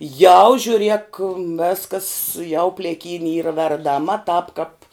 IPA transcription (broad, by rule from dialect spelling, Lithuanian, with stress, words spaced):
jɛʊ ʒʲʊˈrʲiɛk ˈʋʲæːskɐs jɛʊ pʲlʲeːˈkʲiːnʲɪ ˈiːrɐ ʋʲɛrdɐˈmɐ tɑːp kɐp